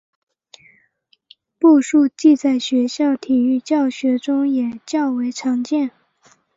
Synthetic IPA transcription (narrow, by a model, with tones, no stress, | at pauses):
pu˥˧ʂu˥˧t͡ɕi˥˧t͡sa˥˩ɪɕɥɛ˧˥ɕjɑ˥˩ʊt̪ʰi˨˩y˥˧t͡ɕjɑ˥˩ʊɕɥɛ˧˥ʈ͡ʂʊ˥ŋjɛ˨˩t͡ɕjɑ˥˩ʊwe˧˥ɪʈ͡ʂʰɑ˧˥ŋt͡ɕjɛ˥˩n